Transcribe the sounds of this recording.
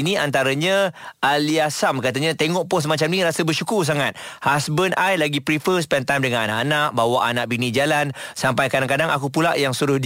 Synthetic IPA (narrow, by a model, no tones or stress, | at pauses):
niant̪aɾaɲaʔaliasamkat̪̬aɲat̪eŋɔʔpʊs̬mat͡ʃamnĩɾasəbərʃukʊrs̬aŋat̪̚hasbənajlaɡipɾifəspɛnt̪ajmdəŋananaʔanaʔ̚bawaʔanaʔbinid͡ʒalansampajkadaŋkadaŋakup̬ula̰ʔjaŋsuɾʊhd